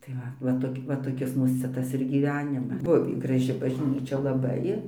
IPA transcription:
tɐɪ ˈʋɐ ʋɐ toːˈkʲɪ ʋɐ toːˈkʲɪs ˈmuːs ˈt͡sʲɛ ˈtɐs ɪr ɡʲiːˈʋʲæːnʲɪmɐ ˈbʊʋʲiː ɡrɐˈʒʲɪ bɐʒʲˈnʲiːt͡ʃʲɛ lˠɐˈbɐɪ

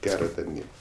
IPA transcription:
ˈɡʲæːroː tɐrʲˈnʲiː

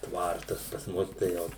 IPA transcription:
ˈtʋɐrtɐs pɐs ˈmʊs tɐɪ ˈjɛʊ

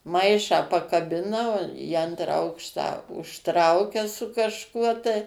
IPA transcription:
ˈmɐɪʃɑː pɐkɐˈbʲɪnɐ ˈʋoː iː ˈɐntrɑː ˈɐʊkʃtɑː ʊʃˈtrɐʊkʲɛ sʊ kɐʃˈkuɔ tɐɪ

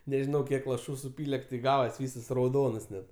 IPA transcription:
nʲɛˈʒʲɪnɐʊ ˈkʲiɛk lˠɐˈʃuː sʊˈpʲiːlʲɛ tʲɪ ˈɡɑːʋɐs ˈʋʲiːsɐs rɐʊˈdoːnɐs nʲɛt

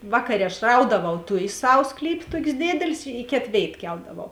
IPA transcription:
ˈʋɑːkɐˌrʲeː ɐʃ ˈrɐʊdɐʋɐʊ ˈtʊjeːs ˈsɐw ˈsklʲiːpʲeː ˈtoːkʲeːs ˈdʲeːdʲeːlʲeːs ɪ ˈkʲeːt ˈʋʲeːɪt ˈkʲɛlˠdɐʋɐʊ

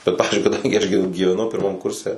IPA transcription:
ˈbʲɛt ˈpɑːʋʲɪzʲd͡ʒʲʊɪ kɐˈdɐŋʲɡʲɪ ɐʃ ɡʲɪ ɡʲiːʋʲɛˈnɐʊ pʲɪrˈmɐm ˈkʊrʲsʲɛ

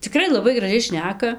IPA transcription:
t͡sʲɪˈkrɐɪ lˠɐˈbɐɪ ɡrɐˈʒʲɛɪ ˈʃʲnʲæːkɐ

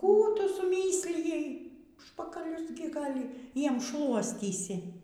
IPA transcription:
ˈkuː ˈtʊ sʊˈmʲiːsʲlʲɪjɛɪ ˈʊʃpɐkɐlʲʊs ˈɡʲɪ ˈɡɐlʲ ˈjiɛm ˈʃlˠuɔsʲtʲiːsʲɪ

